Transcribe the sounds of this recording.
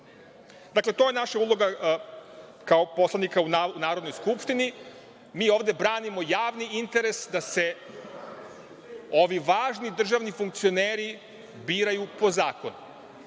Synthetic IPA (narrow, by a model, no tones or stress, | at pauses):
d̪akle̞t̪o̞jenaʃaulˠo̞ɡa | kaopo̞slˠanikaunaunaːɾo̞d̪nojskupʃt̪ini | miːo̞ːʋd̪e̞bɾaːnimo̞jaːʋniint̪e̞ɾe̞sd̪ase̞ | o̞ʋiʋaːʒnid̪r̩ʒaʋnifuŋk̚t̪sio̞neːɾi | biːɾajupo̞zaːko̞̰nu